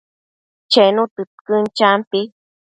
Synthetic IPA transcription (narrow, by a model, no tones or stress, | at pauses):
t͡ʃenũt̪ɨt̪kɨnt͡ʃampi